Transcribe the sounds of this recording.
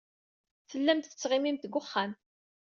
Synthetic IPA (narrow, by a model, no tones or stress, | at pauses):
θəlːæmt̪θə̥t͡sːʁɪmimt̪ɡʷʊχːan